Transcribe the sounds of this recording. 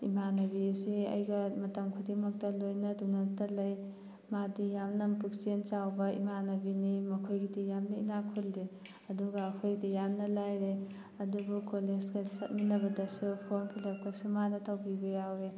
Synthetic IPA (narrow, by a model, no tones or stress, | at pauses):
ḭmanɐbiseɐ̰jɡɐmɐtɐmkʰudimɐk̚tɐlojnɐdunɐtɐlɐj | madijamnɐmpuk̚t͡ʃent͡ʃawbɐḭmanɐbinimɐkʰojɡidijamnɐinakʰuldi | ɐduɡɐːkʰojɡidijamnɐlajɾe | ɐdubukolezɡɐsɐt̚minɐbɐdɐsupʰoɾmpʰilɐp̚kɐsumanɐtawbibɐjawe